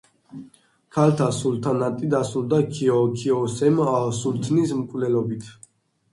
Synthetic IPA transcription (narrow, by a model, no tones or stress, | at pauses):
kʰalt̪ʰasult̪ʰanat̪ʼid̪asuld̪akʰiɔkʰɔsɛmasult̪ʰnismkʼvlɛlɔbit̪ʰ